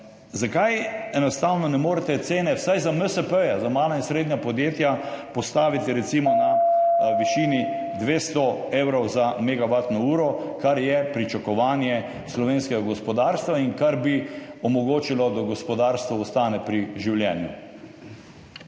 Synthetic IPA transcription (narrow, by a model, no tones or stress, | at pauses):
zakajɛnɔst̪awnɔnɛmoːɾɛt̪ɛt̪seːnɛwsajzaməsəpəjazamaːlainsɾeːd̪nɲapɔd̪jeːt̪japɔst̪aːʋit̪iɾɛt̪simɔnaʋiʃiːnid̪ʋeːst̪ɔewɾɔwzameɡabat̪nɔuːɾɔkaɾjɛpɾit͡ʃakɔʋaːnjɛ | slɔʋeːnskɛɡaɡɔspɔd̪aɾst̪ʋaiŋkaɾbiɔmɔɡoːt͡ʃilɔd̪aɡɔspɔd̪aːɾst̪ʋɔɔst̪aːnɛpɾiʒiwljɛnjṵ